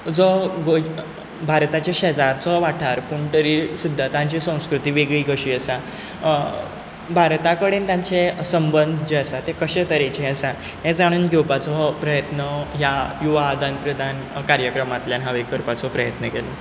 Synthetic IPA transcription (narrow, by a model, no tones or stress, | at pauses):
d͡zɔɡo | bʱaɾt̪at͡ɕaɕɛd͡zaɾt͡sɔʋaʈʰaɾpuɳʈ̪əɾiːsud̪ʱːat̪ãɲt͡ɕisə̃w̃skɾut̪iːʋeɡɭiːɡəɕiːəsa | bʱaɾt̪akəɽent̪jaɲt͡sesəmbənd̪ʱd͡ʑeəsat̪ekəɕet̪əɾet͡ɕeəsa | ɦẽd͡zaɽ̃uːnɡʱewpat͡sɔpɾəjət̪nəɦjajuʋaːd̪ʱanpɾəd̪ʱan | kaɾjəkɾəmat̪ljanɦaʋekəɾpat͡sɔpɾəjət̪nəkelɔ